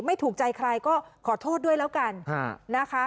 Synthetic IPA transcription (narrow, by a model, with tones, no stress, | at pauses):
ma˥˩jt̪ʰuː˨˩k̚t͡ɕa˧jkʰɾa˧jkɔː˥˩kʰɔː˨˩˦t̪ʰoː˥˩t̪̚du˥˩əjlɛː˦˥wka˧nʰaː˧˥˩a˦˥kʰa˦˥